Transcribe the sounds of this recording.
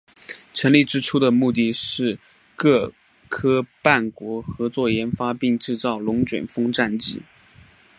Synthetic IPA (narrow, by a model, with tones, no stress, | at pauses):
ʈ͡ʂʰə˧˥ŋli˥˩ʈ͡ʂɻ̩˥ʈ͡ʂʰu˥d̪ə˨mu˥˧t̪̬i˥˩ʂɻ̩˥˧ | kɤ˥˩ | kʰɤ˥pa˥˩nkwɔ˧˥xɤ˧˥t͡swɔ˥˩jɛ˧˥nfa˥pi˥˧ŋʈ͡ʂɻ̩˥˧t͡sɑ˥˩ʊlʊ˧˥ŋt͡ɕɥɛ̰˨˩nfɤ˥ŋʈ͡ʂa˥˧nt͡ɕi˥˩